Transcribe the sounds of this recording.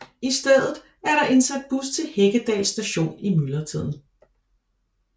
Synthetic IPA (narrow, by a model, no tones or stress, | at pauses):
isd̥eð̰ˠð̩ˠ | æɐɾɑ̈ʔe̝nsæd̥̚b̥ust͡sʰe̝lheɡ̥əd̥ɛ̰ːsːd̥æɕo̝̰ːnimylɐt͡sʰið̰ˠn̩